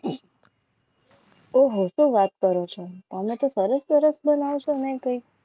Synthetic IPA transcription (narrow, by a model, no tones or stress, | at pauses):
oɦosuʋat̪̚kəɾot͡ʃʰot̪amnet̪osəɾəsːəɾəsbənaʋt͡ʃʰonekəi